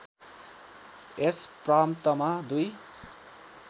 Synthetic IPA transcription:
espramt̪ʌmad̪uj

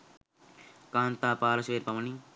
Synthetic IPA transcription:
kaːnt̪aːpaːɾɐsʋeːɾpɐmɐni

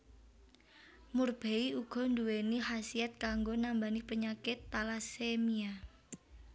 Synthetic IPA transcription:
murb̥eiuɡ̥ɔ̤nd̪uweniɦasiɛt̪̚kaŋɡonambanipəɲakɪt̪ːalasemia

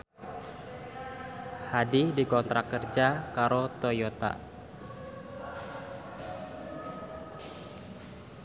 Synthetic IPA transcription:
hadidikɔnt̪ɾakərd͡ʒakaɾot̪ojot̪a̰

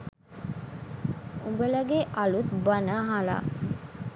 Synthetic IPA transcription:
ubələɡeʔalut̪banaɦala̰ː

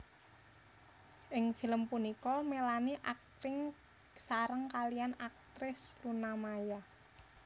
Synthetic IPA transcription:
ʔɪŋfiləmpunikɔmelaniʔak̚t̪ɪŋ | saɾəŋkalijanak̚t̪ɾɪslunamaja

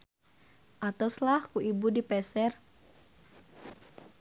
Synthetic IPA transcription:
ʔat̪oslahkuʔibudipɛsɛr

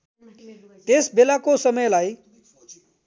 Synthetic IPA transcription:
t̪esbelakosʌmʌjlaj

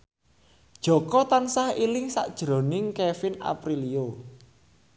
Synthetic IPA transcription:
d̥ʒ̥ɔ̤kɔt̪ansahilɪŋsa̰ʔd̥ʒ̥ɾo̤nɪŋkɛfɪna̰pɾilio

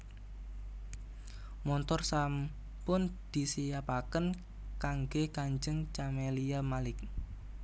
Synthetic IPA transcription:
mɔnt̪ɔrsam | pʊnd̪̥i̤sijapakən | kaŋɡekaɲd͡ʒəŋt͡ʃameliamalɪk̚

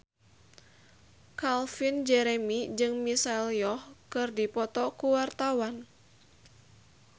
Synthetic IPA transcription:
kalfind͡ʒɛɾemid͡ʒɨŋmisaɛljɔhkɨrdipɔt̪ɔkuwart̪awan

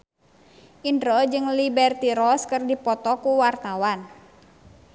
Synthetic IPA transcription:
ʔindɾɔd͡ʒɨŋlibɛrt̪iɾɔskɨrdipɔt̪ɔkuwart̪awan

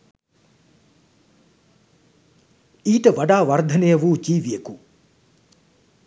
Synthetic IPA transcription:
iːʈəʋaɖaːʋard̪ʱɐnejəʋuːd͡ʒiːʋijeku

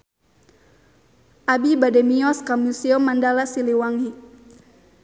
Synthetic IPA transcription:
ʔabibadɛmiɔskamuseɔmːandalasiliwaŋi

